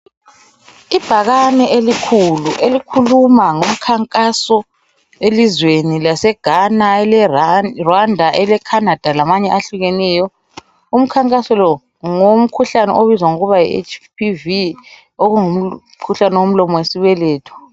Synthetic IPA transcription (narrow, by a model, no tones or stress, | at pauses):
ib̥ʱaɣanɛelikʰuluʔelikʰulumaŋum̩kʰaŋkʼasɔ | elizwenilasɛɡ̥ʱanaɛlɛrwandʱaʔɛlɛkʰanad̥ʱalamaɲɛʔaɬuɣɛnɛːjɔ | um̩kʰaŋkʼasɔlɔ | ŋom̩kʰuɬanɛ̰ʔoβizwaŋuɣuβajḭḛt͡ʃpʰivi | oɣuŋum̩ | kʰuɬanɛwom̩lɔmɔwesiβɛlɛːtʰu̥